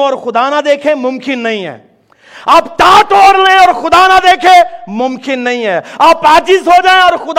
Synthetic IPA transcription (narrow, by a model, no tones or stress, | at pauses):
ɔːɾxʊd̪aːnad̪eːkʰẽmʊmkɪnːɐɦĩɦɛ̰ː | aːptaːʈoːɾleẽɔːɾxʊd̪aːnad̪eːkʰẽmʊmkɪnːɐɦĩɦɛːaːpaːt͡ʃɪzɦod͡ʒaːẽɔːɾxʊd̪